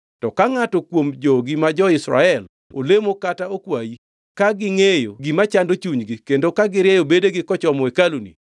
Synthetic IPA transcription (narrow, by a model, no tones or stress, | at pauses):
tɔkaŋatɔkwomd͡ʒɔɡimad͡ʒɔɪsɾa̰ɛl | o̰lemokataokwaji | kaɡɪŋejoɡimat͡ʃandot͡ʃuɲɡikendokaɡɪɾjɛjobedeɡɪkɔt͡ʃɔmɔekalunḭ